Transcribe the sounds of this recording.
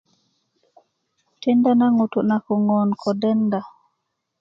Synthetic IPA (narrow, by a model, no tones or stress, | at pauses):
tɛndanaŋutunakɔŋɔnkʰɔdɛnda